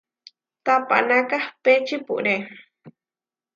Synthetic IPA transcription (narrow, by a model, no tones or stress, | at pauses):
t̪apa̰ʔnakahpet͡ʃipṵʔɾe